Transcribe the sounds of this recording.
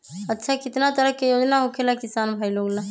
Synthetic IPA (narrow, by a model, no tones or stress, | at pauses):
ətːʃʰakɪt̪nat̪əɾəɦkejoːd͡ʒnaɦokʰelakɪsaːnbʱaːiloːɡlã